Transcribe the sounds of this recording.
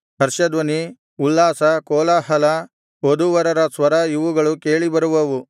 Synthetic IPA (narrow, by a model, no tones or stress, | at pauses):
ɦɐɾʃɐd̪ʋɐni | ulːaːsɐkɔːlɐɦɐlɐ | od̪uʋɐɾɐɾɐsʋɐɾɐiʋuɡɐɭukeːɭibɐɾuʋɐʋu